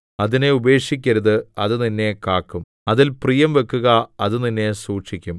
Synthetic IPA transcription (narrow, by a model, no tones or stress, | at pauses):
ɐðine̞ube̞ːkʂikʲːɐɾɐðɨɐðɨninːe̞kaːkːum | ɐðilprijɐmʋe̞kːuɣɐɐðɨninːe̞suːʈʂikʲːum